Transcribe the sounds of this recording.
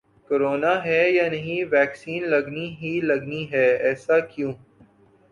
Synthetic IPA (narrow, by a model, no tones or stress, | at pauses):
koɾoːnaɦɛjaːnɐɦĩʋɛːksiːnlɐɡniɦilɐɡniɦɛːɛːsakjũː